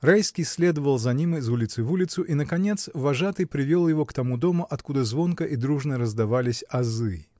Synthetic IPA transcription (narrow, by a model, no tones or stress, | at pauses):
rajskʲijsʲlʲed̪əvəlˠzɐnʲimɨzulʲɪt̪sɨvulʲɪt̪sʊʔinəkɐnʲet̪svɐʐat̪ɨjpɾʲɪvʲelˠjɪvokt̪ɐmud̪omʊʔɐt̪kud̪əzvonkəʔid̪ɾuʐnəɾəzd̪ɐvalʲɪsʲɐzɨ